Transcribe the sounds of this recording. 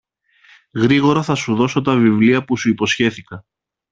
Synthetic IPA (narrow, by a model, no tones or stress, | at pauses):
ɣɾiɣo̞ɾɐθɐsuðo̞so̞t̪ɐvivliɐpusuipo̞sçe̞θikɐ